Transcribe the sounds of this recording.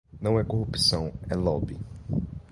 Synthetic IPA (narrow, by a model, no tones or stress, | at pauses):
nɐ̃w̃ɛkohupi̥sɐ̃w̃ɛlɔbi